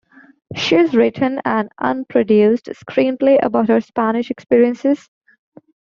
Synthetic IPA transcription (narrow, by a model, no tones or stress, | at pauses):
ʃizɹɪʈʰə̃næ̃nɖʔʌ̰̃npʰɾoɖjuːsɖskʰɾĩːnpleʔə̰baʊʈhəɾspænɪʃɛkspiːɾiə̃nsɪz̥